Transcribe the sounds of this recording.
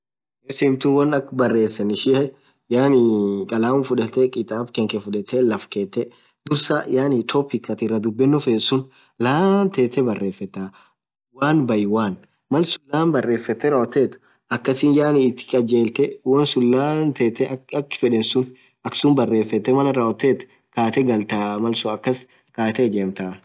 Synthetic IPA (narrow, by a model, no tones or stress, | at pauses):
ɛsɪmt̪ʊwɐnɐkbɐrːe̞ːsːɐnɪʃɪʔɐ | jaːnɪkʼɐlaːmʊfʊᶑɛt̪ːɛkʼɪt̪ʼaːbkɛŋkɛfʊᶑɛt̪ːɛlɐfkeːt̪ːɛ | d̪ʊɾsajaːnɪt̪ʰɔpɪkːɐt̪ɪrːɐd̪ʊbːɛnːɔfeːnsʊn | laːnt̪eːt̪ːɛbɐrːe̞ːfːɛt̪ːaː | waːnbɐjɪwaːn | mɐlsʊlːaːnbɐrːe̞ːfːɛt̪ːɛɾaːɔt̪ːeːt̪ʊ̥ | ɐkːɐsɪnjaːnɪːt̪ːɪ̥kʼɐd͡ʒeːlt̪ɛwɐnsʊnlaːnt̪eːt̪ːɛɐkːɪ̥fɛᶑɛnsʊn | ɐksʊnbɐrːe̞ːfːɛt̪ːɛmɐlɐɾaːʔɔt̪ːeːt̪ʊ̥ | kaːt̪ɛɡɐlt̪aːmɐlsʊɐkːɐs | kaːt̪ɛɡeːmt̪aː